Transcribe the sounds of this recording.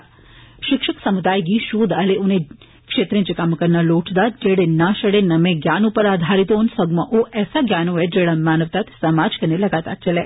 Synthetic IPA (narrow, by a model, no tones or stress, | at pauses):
ʃikʂɐksɐmud̪aːjɡiʃuːd̪ɐleʔune | kʂeːt̪ɾẽnt͡ʃikaːmɐkɐnːɐloːʈʰd̪ad͡ʒeːɽenaːʃɐɽenɐmeɡjaːnuːpɐɾaːd̪ʱaːɾit̪oːnsɐɡmɐʔoːʔɛːsaɡjaːnoʋed͡ʒeːɽɐmaːnɐʋt̪aːt̪sɐmaːd͡ʒkɐnelɐɡaːt̪a̰ːt͡ʃɐle